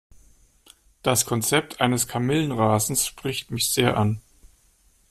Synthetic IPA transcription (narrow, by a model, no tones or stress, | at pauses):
d̥askʰɔnt͡sɛp̚tʰʔaɪnəskʰamɪlənʁaːzn̩sʃpʁ̥ɪçtmɪçz̥eːɐʔan